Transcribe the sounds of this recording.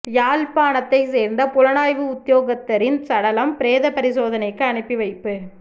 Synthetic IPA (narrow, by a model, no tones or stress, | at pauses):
jaːlpaːnɐt̪ːɐɪseːɾnd̪ɐpʊlɐnaːjʋɯʊt̪ːjoːɣɐt̪ːɐɾɪnsɐɽɐlɐmpɪɾeːðɐpɐɾɪsoːðɐnɐɪkːɯɐɳɯpːiʋɐɪpːɯ